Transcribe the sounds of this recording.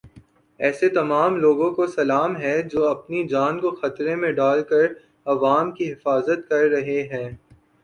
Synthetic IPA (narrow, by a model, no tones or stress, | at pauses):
ɛːset̪ɐmaːmloːɡõkosɐlaːmɦɛd͡ʒoːɐpnid͡ʒaːnkoxɐt̪ɾẽmẽɖaːlkɐɾ | ɐʋaːmkiɦɪfaːzət̪̚kɐɾːɐɦeɦɛ̃ː